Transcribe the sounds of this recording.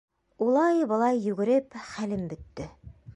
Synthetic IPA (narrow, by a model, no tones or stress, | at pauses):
ulˠɑjbɤ̆lˠɑjːʉɡɘ̆ɾɘpχælɘmbɵ̆t̪ːɘ